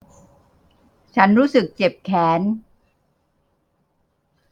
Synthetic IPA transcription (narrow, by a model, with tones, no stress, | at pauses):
t͡ɕʰa˦˥nɾuː˦˥sɯ˨˩k̚t͡ɕe˨˩p̚kʰɛː˩˦˥n